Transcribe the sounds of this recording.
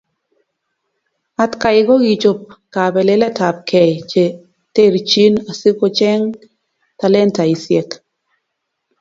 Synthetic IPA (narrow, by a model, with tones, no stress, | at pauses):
a˨tka˨ɪ˨ɡɔ˦ɡi˨t͡ʃo˨p̚ka˨bɛ˨le˦lɛ˦ta˨p̚kʰɛ˨t͡ʃe˨ | te˦ɾt͡ʃi˦na˨si˦ko˦t͡ʃɛ˦ŋ | ta˨lɛ˦nta˨i˨sjɛ˨k